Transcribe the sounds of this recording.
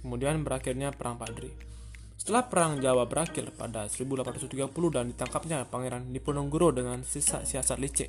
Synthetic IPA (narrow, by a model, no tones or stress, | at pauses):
kəmudianbəɾakɪrɲapəɾʔaŋpadɾi | sə̥t̪əlahpəɾaŋd͡ʒawabəɾʔakɪrpa̰dasəɾibulapanrat̪ut̪iɡapuluhdandit̪aŋkap̚ɲapaŋeɾandipənɔŋɡɾodəŋansəsa̰siasat̪lit͡ʃɛ̰ʔ